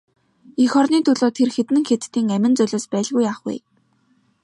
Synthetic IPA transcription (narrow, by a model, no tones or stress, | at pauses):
ixɔrniːt̪ʰʊɮoːt̪ʰerxet̪ɘ̆ŋxet̪t̪ːiːŋæmʲɪ̆nt͡sœɮʲoːspæːɮɣujaːχṵː